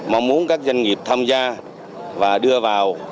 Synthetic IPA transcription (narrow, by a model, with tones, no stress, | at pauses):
maː˨˧˩mu˨˦ənkaː˦˥k̚zə˧jŋŋi˨˩əp̚t̪ʰaː˧mzaː˧ | vaː˨˩ɗɨ˧əvaː˨˩w